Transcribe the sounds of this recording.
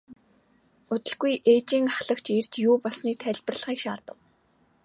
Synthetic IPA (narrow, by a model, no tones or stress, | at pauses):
ʊt̪ɘ̆ɮɡujʔeːt͡ɕiːŋaχɮə̆kt͡ɕirt͡ɕjuːpɔɮsniːk̚t̪ʰæɮʲpɘ̆rɮχiːkʃaːrt̪ə̆w